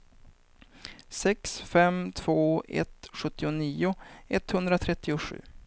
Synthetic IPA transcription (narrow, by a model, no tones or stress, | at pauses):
sɛksfɛmt̪ʰv̥oːɛ̰t̪ɧɵt̪ːɪʊniːʊɛt̪hɵnd̪ɾat̪ʰɾɛt̪ːɪʊɧʉ̟̰ː